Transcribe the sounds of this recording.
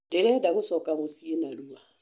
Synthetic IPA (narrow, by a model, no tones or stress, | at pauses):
dɛɾɛdaɣʊsɔkamosienaɾua